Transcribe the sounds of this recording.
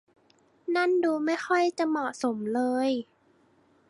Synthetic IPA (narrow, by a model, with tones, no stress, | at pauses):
na˥˩˨nduː˧ma˥˩jxɔ˥˩jt͡ɕa˨˩mɔ˨˩so˩˦mlɤː˧j